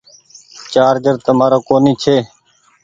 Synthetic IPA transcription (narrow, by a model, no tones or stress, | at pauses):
t͡ʃaːɾɡəɾt̪əmaːɾoːkoːniːt͡ʃʰeː